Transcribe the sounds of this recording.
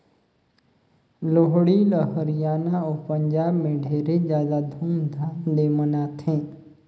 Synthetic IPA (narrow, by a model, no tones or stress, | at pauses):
loɦɽiləɦəɾijaːnaoːpə̃ɲd͡ʒaːbmẽɖʱeːɾezjaːd̪ad̪ʱuːmd̪ʱaːnd̪eːmənat̪ʰẽː